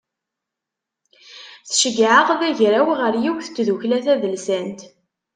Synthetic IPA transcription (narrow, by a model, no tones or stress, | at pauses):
θʃəɡʕəʁðæʝɾæwʁəɾjiwθə̥t͡sːðuçlæθæðəlsænt̪